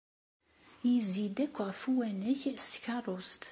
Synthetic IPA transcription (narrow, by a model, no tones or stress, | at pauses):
jəzid̪ækʷːəʁfuwænæçst̪çɑrˤost̪